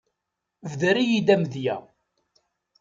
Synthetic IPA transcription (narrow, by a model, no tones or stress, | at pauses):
vðəɾijid̪æmðjæ̰